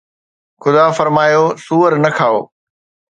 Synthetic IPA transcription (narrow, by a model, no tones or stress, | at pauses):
xʊd̪aːfɐɾmaːjosuːəɾnɐkʰaːo̰ː